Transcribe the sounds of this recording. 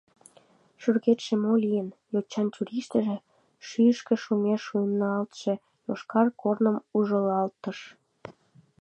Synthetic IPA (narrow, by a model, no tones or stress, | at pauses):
ʃyrɣet̪ʃĕmolijənjot͡ɕːɑntʲuɾiʃt̪ə̆ʒĕ | ʃyəʃkĕʃumeʃujnnoɑlt̪ʃe̽ | joʃkɑrkornəmuʒəlɑlt̪ːəʃ